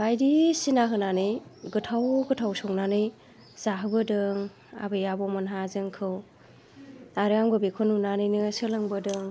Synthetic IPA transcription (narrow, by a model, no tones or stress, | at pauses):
bajdisinaɦɯnanɯjɡɯtʰawɡɯtʰawsɔŋnanɯj | z̥aɦɯbɯdɯŋ | a̰bɯjabɔmɯnɦazɯŋkʰɯw | aɾɯaŋbɯbekʰɔnunanɯjnɯsɯlɯŋbɯdɯŋ